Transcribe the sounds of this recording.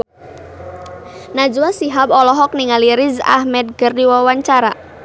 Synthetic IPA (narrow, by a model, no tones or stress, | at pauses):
nad͡ʒuasiɦapɔlɔɦɔk̚niŋaliɾɪza̰hmɛd̪̚ɡərdiwawaɲt͡ʃaɾa